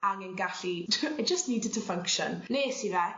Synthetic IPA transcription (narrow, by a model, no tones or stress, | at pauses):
aŋənɡaɬiaɪd͡ʒəstniːdɪd̚tʰəfʌ̃ŋkʃə̰nnesinɛ